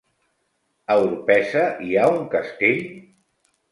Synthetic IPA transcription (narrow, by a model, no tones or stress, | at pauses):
əwɾpɛsəiauŋkəst̪eʎ